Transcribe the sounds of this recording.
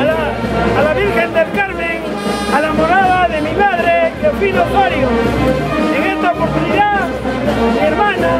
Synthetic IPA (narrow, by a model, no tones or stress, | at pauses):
aːlaβiɾxend̪elkaɾmẽŋ | alamoɾaðaðemimaðɾekopinoɣoɾjo | eŋest̪aopoɾt̪uniða | mieɾmãna